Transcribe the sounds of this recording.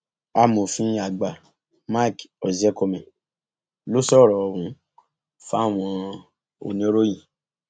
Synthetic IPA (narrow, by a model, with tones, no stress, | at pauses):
a˦mo˨fĩ˧˦a˨ɡ͡ba˨ | ma˦˨kɔ˨zɛ˦kɔ˧mɛ̃˨ | lo˦sɔ˦˨ɾɔ˨˧wũ˧˦ | fa˦˨w̃ɔ̃˧ | o̰˨nĩ˦o˦ɾo˦jĩ˨